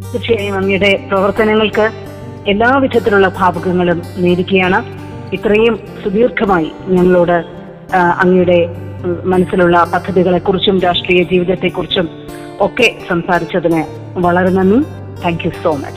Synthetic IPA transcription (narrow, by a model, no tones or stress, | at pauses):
kɐʂɐjaːjumɐŋːɐjuɽe̞prɐʋɐrt̪ɐnɐŋːɐɭkɨ | e̞lːaːʋid̪ʱɐt̪̬ːiluɭːɐbʱaːbʱɐɣɐŋːɐɭumneːɾikʲːuɐjaːɳɨ | it̪rɐjum | sud̪iːrkʰɐmaːjḭɲɐŋːɐɭoːɽɨ | ɐ̰ŋːɐjuɽe̞ | mɐnɐsːiluɭːɐpɐd̪ʱːɐðiɣɐɭe̞kːurit͡ɕːumɾaːʂʈriːjɐd͡ʑiːʋiðɐt̪ːe̞kːurit͡ɕːum | o̞kːe̞sɐmsaːɾit͡ɕːɐðinɨ | ʋɐɭɐɾunːenːu | t̪ʰæːŋkjuso̞ːmɐ̰t͡ɕː